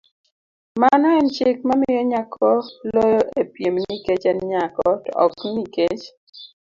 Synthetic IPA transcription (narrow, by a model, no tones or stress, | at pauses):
manɔɛnt͡ʃɪk̚mamɪjɔɲakʰɔlojoʔepjemniket͡ʃɛnɲakɔtɔ̰kniket͡ʃ